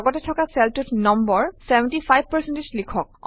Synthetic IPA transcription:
ɡɔtɛtʰɔkasɛltutnɔmbɔɹsɛbɛntipʰajb̚ʱpəɹsɛntislikʰɔk̚

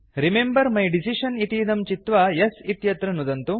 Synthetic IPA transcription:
ɾimembɐɾmɐjɖisiʃɐniʈiːd̪ɐmt͡ʃit̪ʋɐjɐsit̪jɐt̪ɾɐnud̪ɐnt̪u

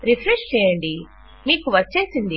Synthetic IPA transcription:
ɾipʰɾeʂt͡ʃɛːjɐɳɖi | miːkuʋɐt͡ʃːe̞ːsind̪i

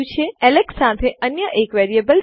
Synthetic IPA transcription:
ũt͡ʃʰeɛleksat̪ʰeʔənjəʔekʋɛɾiebəl

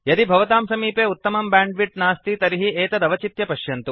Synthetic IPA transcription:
jɐd̪ibʱɐʋɐt̪aːmsɐmiːpeːut̪ːɐmɐmbaːɳɖʋiʈnaːst̪it̪ɐɾiɦiʔeːt̪ɐd̪ɐʋɐt͡ʃit̪jɐpɐʃjɐnt̪u

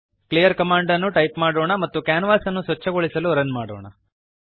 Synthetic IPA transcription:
kɭijɐɾkɐmaːɳɖɐnːuʈɐjpmaːɽoːɳɐmɐt̪ːukjaːnɐʋaːsɐnːusʋɐt͡ʃːɐɡoɭisɐluɾɐnmaːɽoːɳɐ̰

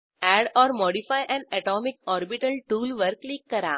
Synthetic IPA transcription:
ɛɖɔːɾmɔːɽifajʔɛ̃nɛʈɔːmikɔːɾbiʈəlʈuːlʋəɾkliːkːɐɾa̰

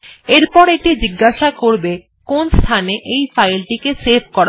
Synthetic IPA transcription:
eɾpɔɾeʈid͡ʑiɡːaʃakoɾbe | konst̪ʰaneʔejfajlʈikeseb̚ʰʱkɔɾa

